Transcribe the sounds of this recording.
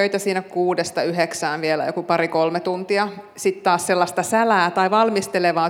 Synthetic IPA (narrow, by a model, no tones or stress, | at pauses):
øit̪æsiːnækuːdest̪ɑyɦeksæːnʋielæ̰jo̰kupɑɾikolmet̪unt̪iɑ | sit̪t̪ɑːsselːɑst̪ɑsælæːt̪ɑiʋɑlmist̪eleʋɑː